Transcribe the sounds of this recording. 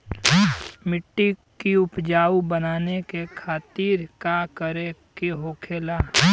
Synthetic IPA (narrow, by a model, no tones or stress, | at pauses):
mɪʈːikiʊpd͡ʒaːubənaːnekekʰaːt̪iːɾkakəɾekeɦoːkʰeːla